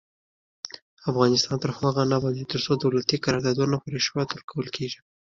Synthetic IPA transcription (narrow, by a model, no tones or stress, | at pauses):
afɣɑnɪst̪ɑnt̪əɾxwaɣanabɑd̪it̪əɾsod̪awlat̪ikaɾɑɾd̪ɑd̪unapoɾeʃwɑt̪wəɾkʰawəlkʰeʒi